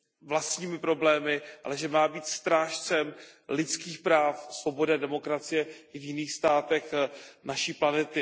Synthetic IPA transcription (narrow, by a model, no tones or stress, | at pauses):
vlast̪ɲiːmɪpɾo̞blɛːmɪʔa̰lɛʒɛmaːbiːt̪st̪ɾaːʃt͡sɛmlɪt͡skiːxpɾaːfsvo̞bo̞dɪadɛmo̞kɾat͡sɪjɛʔɪvjɪniːxst̪aːt̪ɛxnaʃiːplanɛt̪ɪ